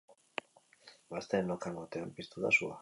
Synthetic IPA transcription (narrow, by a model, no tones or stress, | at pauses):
bast̪eːnokaŋɡot̪eampist̪ut̪asua̰